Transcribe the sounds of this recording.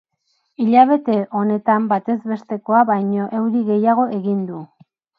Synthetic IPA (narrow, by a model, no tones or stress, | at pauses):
iʎaβ̞e̞t̪e̞ʔo̞ne̞t̪ambat̪e̞zβe̞st̪e̞ko̞aβajɲo̞ʔe̞wðiɣe̞jaɣ̞o̞ʔe̞ɣind̪u